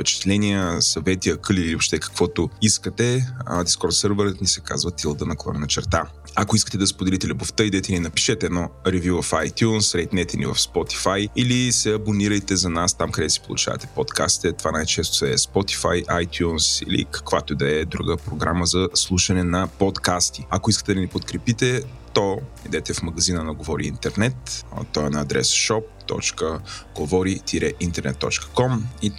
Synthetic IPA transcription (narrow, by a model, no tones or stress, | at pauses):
pɛt͡ʃɛ̥t̪lɛnijəsɐvɛt̪iəkɤliliobpʃt̪ɛkə̥kv̥ɔt̪oiskət̪ɛd̪iskɔɾt̪səɾvəɾət̪nisɛka̰zvət̪ilˠd̪ənɐkˠɔ̰ɾɛnɐt͡ʃɛɾt̪a | ɐkoiskət̪ɛd̪ɐspod̪ɛlit̪ɛlʲɛboft̪əid̪ɛt̪ɛninɐpi̥ʃɛt̪ɛːd̪nɔɾɛvjuvɐfajt̪junsɾɛjt̪nɛt̪ɛnḭvɐ̰fspɔt̪i̥fajilisɛɐboniɾəjt̪ɛzɐnast̪amkɐd̪ɛsi̥polˠṵt͡ʃa̰vɐ̰t̪ɛ̥pɔt̪kʰa̰st̪i̥t̪ɛt̪ovanajt͡ʃɛst̪oɛspɔt̪i̥fa̰jʔajt̪junsḭlḭkɐ̥kvat̪od̪ɐɛd̪ɾuɡəpɾoɡɾaməzɐslˠuʃɐnɛnɐpot̪kast̪iɐkoiskə̥t̪ɛd̪ɐnipot̪kɾɛpit̪ɛ | t̪oid̪ɛt̪ɛfmɐɡɐzinənɐɡovɔɾḭḭnt̪ɛɾnɛt̪t̪ɔɛnɐːd̪ɾɛ̰sʃɔp̚t̪ɔ̰t͡ʃkəɡ̥ovɔɾit̪ʰiɾɛʔint̪ɛɾnɛ̰t̪ːɔ̰t͡ʃkə̥kɔmi